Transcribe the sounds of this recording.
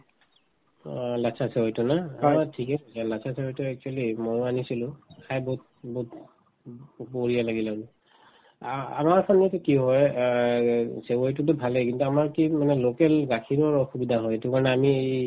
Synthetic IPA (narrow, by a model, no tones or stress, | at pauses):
lasʰasewɔjtunaaatʰikɛsɛzalasʰasewojtuɛk̚t͡ʃuwalimɔjanisilʊ̃kʰajbot̚bot | boɹijalaɡilanu | a̰maɹpʰɔnatukiɦɔj | sewojt̬utʊbʱalɛkintuamaɹkimanɛlokɛlɡakʰinɔɹɔxubidʱaɦɔjetukaɹɔnɛamiej